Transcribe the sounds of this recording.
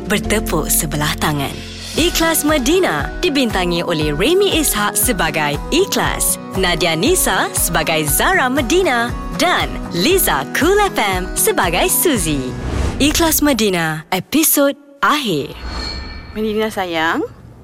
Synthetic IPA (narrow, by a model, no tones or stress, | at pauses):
bərt̪əpuʔsəbəlaht̪aŋã̰n | iklasmə̃dina̰d̥ibint̪aŋĩʔolɛhɹemĩʔishaʔ̚səbaɡajikla̰s | nãdianisasəbaɡajzaɾamədina | dan | liza̰kʰulɛfɛmsəbaɡajsuziiklasmə̃dinaɛpisod̚ | ʔaɦi | mədinãsajaŋ